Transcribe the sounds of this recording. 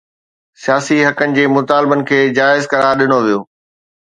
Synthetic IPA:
sijaːsiɦɐkənɪ̆d͡ʑeːmʊt̪aːlbənɪ̆kʰeːd͡ʑaːɪzkɐɾaːɾɗɪñoʋijoː

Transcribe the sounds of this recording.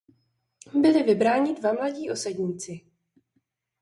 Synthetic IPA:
bɪlɪvɪbɾaːɲɪdvamlaɟiːʔo̞sɛɟɲiːt͡sɪ

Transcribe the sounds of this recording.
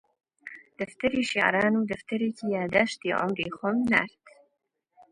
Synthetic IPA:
d̪̥ɐft̪ɐɾiːʃaʕɾɑːnuːd̪ɐft̪ɐɾeːciːjaːd̪aʃt̪iʕʊ̰mɾiːxɔmna̰ɾt̪

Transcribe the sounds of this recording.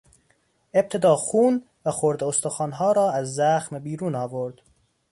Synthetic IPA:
e̞b̚t̪ʰe̞d̪ɒːxuːn | væxoɾd̪eost̪oxɒːnɦɒːɾɒːæzːæxmebiːɾuːnɒːvoɾd̪̥

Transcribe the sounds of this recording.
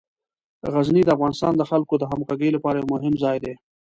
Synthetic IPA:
ɣaznid̪əafɣɑnɪst̪ɑnd̪əxalkod̪əɦamkaɡejlapɑɾajewmʊɦɪmzɑjd̪e

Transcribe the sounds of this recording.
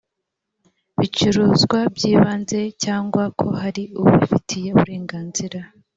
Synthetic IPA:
βit͡ʃuɾuːzɡwabɟiːβaːnze̞caːŋɡwakʰo̞haɾiuβuβifitʰije̞uβuɾe̞ːŋɡaːnziɾa

